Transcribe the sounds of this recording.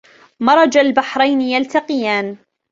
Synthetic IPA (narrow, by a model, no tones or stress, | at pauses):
mɑɾˤɑd͡ʒalbaħɾˤɑjnɪjalt̪aqɪjaːn